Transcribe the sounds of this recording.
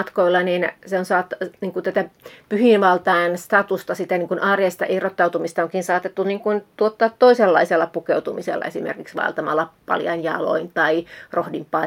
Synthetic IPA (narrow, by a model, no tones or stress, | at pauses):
t̪koilːɑniːnseonsɑːt̪ːɑniːŋkunt̪æt̪æpyhinʋɑlt̪ɑenst̪ɑt̪ust̪ɑsit̪æniːŋkunʔɑːrieist̪ɑ̰ʔihrot̪ːɑut̪umist̪ɑoŋkinsɑːt̪et̪ːuniːŋkunt̪uot̪ːɑːt̪ːoiselːɑ̰iselːɑpukeut̪umisḛlːɑ̰esimḛrkiksʋɑ̰ḛlt̪ɑmɑlːɑpɑ̰ljɑ̰injɑ̰lo̰int̪ɑirohdimpɑ